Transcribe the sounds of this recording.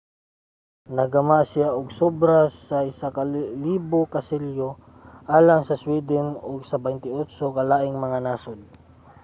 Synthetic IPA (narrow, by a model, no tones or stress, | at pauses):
nɐɡɐmasɪjaʔʊɡsobɾasɐɪsakɐliːbokɐsɛljo | ʔaːlaŋsɐswid̪ɛnoɡsɐbɛnt̪ɪʔosokɐlaːʔɪŋmɐŋanaːsod̪̚